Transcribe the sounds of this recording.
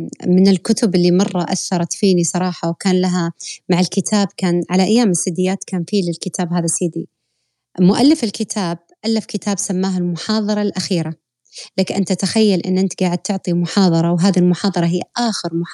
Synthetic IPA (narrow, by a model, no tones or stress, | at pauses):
mɪnɪlkʊt̪ʊbɪlːimɑrˤːɑʔa̰θːɑɾˤɑt̪fiːnisˤɑɾˤɑːħɑwkaːnlaɦamaʕɪlkɪt̪ʰaːb̚kaːnʕalaʔajːaːmɪsːɪd̪ɪjːaːt̪kaːnfiːlɪlkɪt̪ʰaːbɦaːðasiːd̪i | mʊʔalːɪfɪlkɪt̪ʰaːb̚ʔalːafkɪt̪aːbsamːaːɦalmʊħɑːðˤɑɾˤɑlʔaxiːɾa | laːkʔɪnt̪at̪axajːalʔɪ̰nːʔɪnt̪ɡaːʕɪd̪̚t̪ʊʕt̪ˤimʊħɑːðˤɑɾˤɑwɦaːðilmʊħɑːðˤɑɾˤɑɦɪjːʔaːxɪɾmʊħ